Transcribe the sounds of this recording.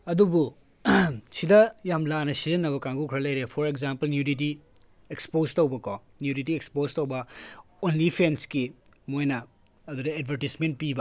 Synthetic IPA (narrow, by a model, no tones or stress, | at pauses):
ɐdubu | sidɐjamlanɐsizɐnːɐβɐkaŋɡukʰɾɐlɐjɾepʰoɾekzampɐlnjudit̬i | ekspostɐwbɐko | njudit̬iekspostɐwbɐ | onlipʰenski | mojnɐ | ɐdudɐed̚bʱɐɾisment̚pibɐ